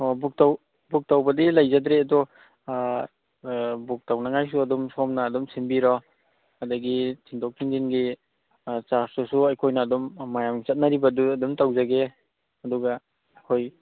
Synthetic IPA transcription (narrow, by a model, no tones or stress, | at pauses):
ɔbuk̚taw | buk̚tawbɐdilajzadɾeɐdɔ | buk̚tawnaŋajs̬uɐdɔmsɔmnaːdumsinbiɾɔ | hɐdɐɡitʰiŋtʰɔk̚ʰiŋdinɡi | t͡ʃaɾsɔsuajkʰojnaːdɔmːajamt͡ʃɐt̚nɐɾibɐduɐdumtawzaɡe | ɐduɡɐ | ajkʰoj